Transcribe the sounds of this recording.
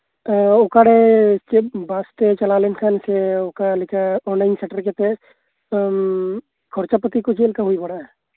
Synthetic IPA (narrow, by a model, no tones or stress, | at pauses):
ʊkaɽekebaːst̪et͡ʃɐlaːlenkʰanseokalikaɔːnlaɪnseʈəɾket̪e | kʰoɾt͡ʃapət̪ikod͡ʒeːlkaɦʊibɐɽaɦɛ